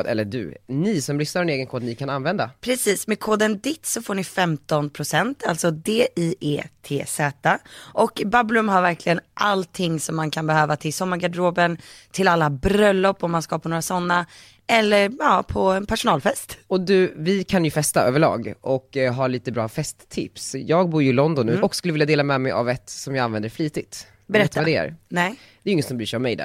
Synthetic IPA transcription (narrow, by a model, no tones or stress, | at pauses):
d̪ɛ̰lːəɖʉ̰nɪsɔmɾʏsnaɾɛneːɡənkʰoːd̪nɪkʰananvɛnd̪a̰pʰɾɛsiːsmɛkʰoːd̪ənd̪ɪt̪ːsɔfoːɳɪfɛmt̪ɔnpʰɾʊsɛnt̪ʰalt̪sɔd̪eːʔiʔḛːt̪ʰḛːsɛːt̪aʔɔkbablɵmɦaɾvæɾkʰlɪɡənʔalt̪ʰɪŋːsɔmːankʰanbɛhøːvat̪ʰɪlsɔmːaɾɡad̪ɾoːbənt̪ʰɪlalːabɾœlːɔpːɔmːanskapʰɔnoːɾasɔnːa | ɛlːəɾɑːpʰɔɛnpʰæʂʊnɑːlfɛst̪ɔd̪ʉvɪkʰanjɵfɛst̪aʔøːvəɭɑ̰ːɡɔkɦaɭiːt̪əbɾɑːfɛst̪ʰːɪ̰psjɑːɡ̚buːɾjɵɪlɔnd̪ɔnːʉɔkskɵlːəvɪljad̪eːlamɛmɛja̰vɛt̪sɔmjɑːɡanvɛnd̪əɾfliːt̪ɪt̪ | bɛɾɛt̪ːaad̪ɛ̰ɾnɛ | d̪ɛɾjɪŋːət̪sɔmbɾyːʂɛɪjɔmɛjd̪æ̰